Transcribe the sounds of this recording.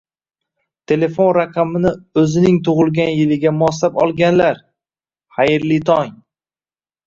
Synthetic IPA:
t̪ʰe̞le̞fo̞nɾaqʰɑmɪnɪɵzɪnɪŋt̪ʰʊʁɨlˠɡʲanjɪlɪɡʲamʊɒs̬apɒlˠɡʲanlaɾ | χajɪɾlit̪ʰɒŋ

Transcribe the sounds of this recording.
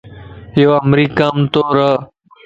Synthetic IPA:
joːəmɾiːkaːmt̪oːɾə

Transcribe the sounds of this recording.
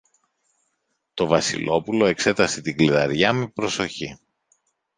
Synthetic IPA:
t̪o̞vɐsḭlo̞pulo̞ekse̞t̪ɐset̪iɡliðɐɾʝɐmepɾo̞so̞çi

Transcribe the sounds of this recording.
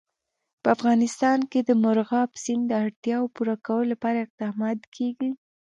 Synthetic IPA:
pəafɣɑnɪst̪ɑnked̪əmʊɾɣɑbsind̪əaɽt̪jɑwpuɾakawəlolapɑɾaɪq̚d̪ɑmɑt̪kʰeɡi

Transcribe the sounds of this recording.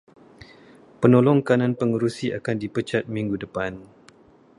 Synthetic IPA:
pənolɔŋkanãnpəŋuɾusia̰kandipət͡ʃat̪̚miŋɡudəpan

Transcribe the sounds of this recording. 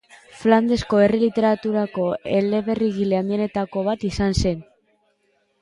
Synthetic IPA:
fland̪e̞sko̞e̞relit̪e̞ɾat̪uɾako̞e̞le̞βe̞riɣile̞and̪iene̞t̪ako̞β̞at̪isanse̞n

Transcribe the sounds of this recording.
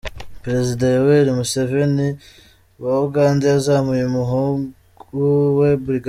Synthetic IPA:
pɾe̞zidajoweɾimuse̞ve̞ni | wauɡaːndaazaːmujumuɦuː | uwe̞buɾiɡ

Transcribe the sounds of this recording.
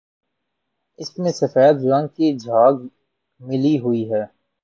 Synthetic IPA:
ɪsmẽsɐfaːət̪̚ɾãːŋkid͡ʒʱaːɡ | mɪliɦʊiɦɛː

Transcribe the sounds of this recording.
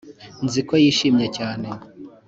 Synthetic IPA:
nzikwojiʃiːmɲacaːne̞

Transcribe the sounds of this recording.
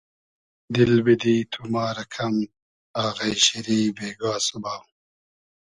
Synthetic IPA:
d̪ilbid̪iːt̪ʰumaːɾɐkʰɐm | aːɣɐjɕiɾiːbeːɡaːsɐbaːw

